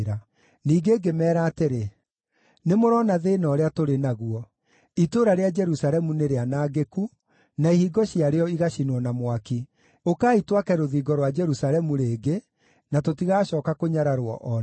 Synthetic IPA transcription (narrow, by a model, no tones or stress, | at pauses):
ɾa | niːɡeːɡemɛːɾaːteɾe | nemoɾɔnaðeːnɔɾeatoɾenaɣuɔ | itoɾaɾead͡ʒɛɾusaɾɛmuneɾeanaːɡeku | naihiːɡɔɕiaɾeɔiɣaɕinwɔnamwaki | okaːitwakɛɾoðiːɡɔɾwad͡ʒɛɾusaɾɛmuɾeːɡe | natotiɣaːɕɔːkakoɲaɾaɾwɔ̰ʔɔ